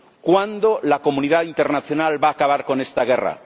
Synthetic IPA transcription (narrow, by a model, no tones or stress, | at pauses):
kwand̪olakomuniðaint̪eɾnaθjo̞nalβaːkaβ̞aɾko̞nest̪aɣera̰